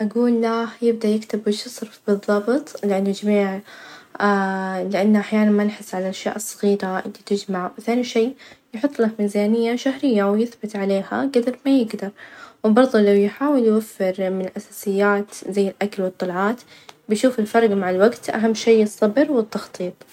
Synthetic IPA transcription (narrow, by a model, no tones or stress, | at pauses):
ʔaɡuːlːahjɪb̚d̪aʔjɪkt̪ɪbwɪʃɨsˤɾfbɨðˤːɑːbɨt̪ˤlɪʔanːʊd͡ʒamiːʕ | alɪʔanːaʔaħjaːnanmanħɪsːʕalaʔʃja̰ːʔɨsˤːɑɣiːɾaʔɪ̰lːit̪ɪd͡ʒmaʕwɪθaːniʃeːjħʊt̪ˤːlamiːzaːnɪjːaʃaɦɾɪjːawjɪθbɪt̪ʕaleːha̰ɡad̪ɑɾmajɪɡd̪ɑɾˤwbɑɾˤðˤulːawjħaːwɪljwafːɪɾmɪnɪlʔasaːsɪjːaːt̪zajːɪlʔakalwɨt̪ˤːɑlʕɑːt̪ | bɪjʃuːfɪlfɑɾˤɡmaʕɪlwaɡt̪ʔa̰ɦamːʃeːɨsˤːɑbɪɾwɪt̪ːɑxt̪ˤiːt̪̚ˤ